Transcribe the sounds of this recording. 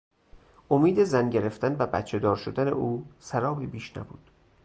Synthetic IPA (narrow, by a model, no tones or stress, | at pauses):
ʔomiːd̪e̞zænɟeɾeft̪ænvæbæ̰t̪t͡ʃʰed̪ɒːɾʃod̪ænḛʔuːsæɾɒːbebiːʃnæ̰bṵːd̪̥